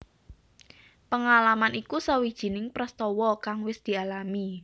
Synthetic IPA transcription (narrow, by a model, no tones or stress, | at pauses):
pəŋalamanikusawid̥ʒ̥i̤nɪŋpɾəst̪ɔwɔkaŋwɪsd̪̥i̤alami